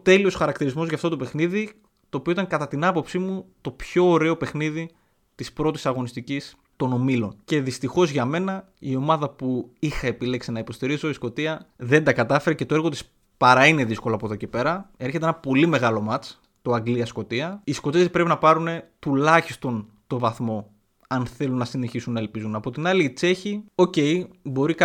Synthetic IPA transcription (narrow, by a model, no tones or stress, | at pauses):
t̪e̞lio̞sxɐɾɐkt̪iɾizmo̞zʝɐːft̪o̞t̪ope̞xniði | t̪o̞ːpioit̪ɐŋkɐt̪ɐt̪inɐpo̞psimut̪o̞pço̞ːɾe̞o̞pe̞xniði | t̪ispɾo̞t̪i̥sɐɣo̞nist̪icis | t̪o̞no̞milo̞nce̞ðist̪ixo̞zʝɐme̞nɐ | io̞mɐðɐpuixɐepile̞ksinɐipo̞st̪iɾizo̞isko̞t̪iɐðe̞nd̪ɐkɐt̪ɐfe̞ɾece̞t̪o̞e̞ɾɣo̞t̪is | pɐɾɐine̞ðisko̞loɐpo̞ðo̞ce̞pe̞ɾɐe̞ɾçe̞t̪eenɐpo̞lime̞ɣɐlo̞mɐt͡s | t̪o̞ɐŋɡliɐsko̞t̪iɐisko̞t̪ipɾe̞pinɐpɐɾune̞t̪ulɐçist̪o̞n | t̪o̞vɐθmo̞ | ɐnθe̞lunːɐsine̞çisunːɐe̞lpizunɐpo̞t̪inɐliːt͡se̞çio̞ce̞jbo̞ɾik